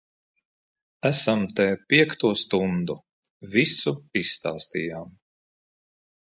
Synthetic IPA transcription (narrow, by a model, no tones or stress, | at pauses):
æsamt̪ɛːpʲiɛkt̪uɔst̪und̪u | visuisːt̪aːst̪ijaːm